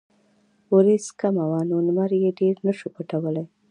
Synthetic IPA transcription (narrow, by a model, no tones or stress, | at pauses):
woɾeskamawɑnonmaɾjeɖeɾnəʃupəʈawəlaj